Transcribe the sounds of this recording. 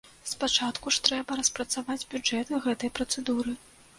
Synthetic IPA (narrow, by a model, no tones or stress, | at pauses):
spat͡ʂat̪kuʂt̪ɾɛbɐɾɐspɾɐt̪savad͡zʲbʲuɛt̪ɨɣɛt̪ɐjpɾɐt̪sɛd̪uɾɨ